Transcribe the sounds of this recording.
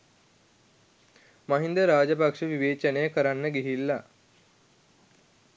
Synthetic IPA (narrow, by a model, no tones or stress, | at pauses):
maɦind̪əɾaːd͡ʑəpakʂəʋiʋeːt͡ɕənejkəɾanːəɡiɦilːa